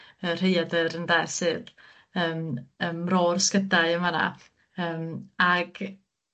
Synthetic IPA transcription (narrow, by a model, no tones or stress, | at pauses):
ər̥ejadəɾəndɛsɨːð | əːməmrorskədaɨəmana̰ | əːmaɡ̥